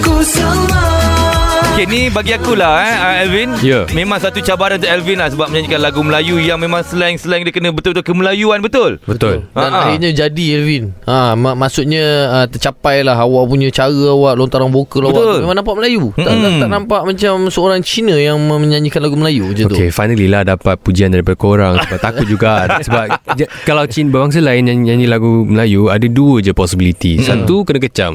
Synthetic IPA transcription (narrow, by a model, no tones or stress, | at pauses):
kus | okenibaɡiakulahəɛlvinjamemãŋsat̪ut͡ʃabaɾant̪uʔɛlvinlahsəbap̚məɲãɲd͡ʒikanlaɡuməlajujaŋmẽmãŋsəlaiŋsəlaŋdikənə̃bət̪ʊlbət̪ʊkəməlajuanbət̪ʊlbət̪ʊlaanaɦirɲə̃d͡ʒadiɛlvinammasuʔ̪̚ɲə̃ət̪ərt͡ʃapajlaɦawaʔpuɲə̃t͡ʃaɣəawaʔlont̪aɾaŋbokəlawaemãŋnampaʔməlajut̪aaaʔʔnampaʔmat͡ʃamsəoɾaŋt͡ʃinəjaŋməəɲaɲikanlaɡuməlajud͡ʒəot̪ʊkefajnə̃lilahdapat̪̚pud͡ʒiandaɾipadəkoɾaŋsəbap̚t̪aʊt̪̚d͡ʒuɡasəbap̚d͡ʒakalawt͡ʃinbəbaŋs̬alaɪnɲaɲaɲilaɡuməlajuadəduəd͡ʒəpɔsibilit̪isat̪ukənãkət͡ʃam